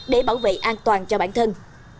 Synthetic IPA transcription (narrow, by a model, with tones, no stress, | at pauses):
ɗe˧˩ɓaː˧˩wvḛ˧˨ʔaː˧nt̪waː˨˩nt͡ɕɔ˧ɓaː˧˩nt̪ʰə˧n